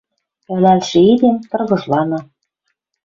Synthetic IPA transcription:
ɘ̆lælʃĕid̪emt̪ɤ̆rɣɤ̆ʒlɑnɤ̆

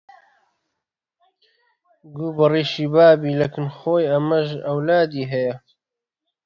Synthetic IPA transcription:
ɡuːbɨriːʃiːbaːbiːlɐkɨnxoːjɐmɐʒɐwlaːd̪iːɦɐjɐ

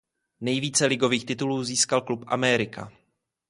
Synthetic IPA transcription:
nɛjviːt͡sɛlɪɡo̞viːxt̪ɪt̪uluːziːskalklupʔa̰mɛɾɪka̰

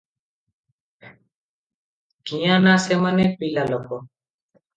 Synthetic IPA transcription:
ɡiːjãːnãːseːmənẽːpiːlaːlokoː

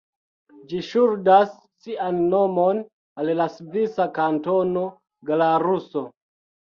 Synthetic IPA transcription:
d͡ʒiʃuɾdasː | iʔanːo̞mo̞n | allasvisakanto̞no̞ | ɡalaɾuso̞

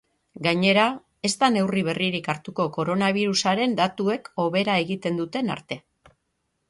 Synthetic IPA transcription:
ɡaɲe̞ɾa | e̞st̪ane̞wriβ̞e̞riɾikaɾt̪uko̞ko̞ɾo̞naβ̞iɾusaɾe̞nd̪at̪ue̞ko̞βe̞ɾae̞ɣit̪e̞nd̪ut̪e̞na̰ɾt̪e̞

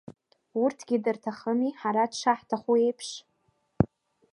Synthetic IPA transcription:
urtʰɡʲidɨrtʰaχəmiħaɾadʂaħtʰaχue̞jpʰʂ

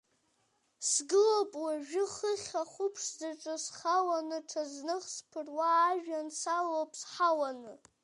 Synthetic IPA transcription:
sɡɨlopʼwaʒᶣɨχəχʲaχʷupʰʂzaʈ͡ʂʼɨsχawanɨʈ͡ʂʰaznɨχspʰɨrwaːʒᶣansalowpʼsħawanɨ

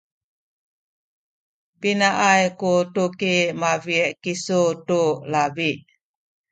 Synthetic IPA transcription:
pinaʔajkutukimavieʔkisutulabiʔ

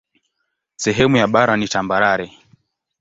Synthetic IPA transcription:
sɛɦɛmujaɓaɾanitambaɾaɾɛ

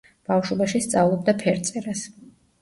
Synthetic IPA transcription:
b̥afʃwɔbaʃist̪sʼavlˠɔbd̪apʰɛɾt̪sʼɛɾas

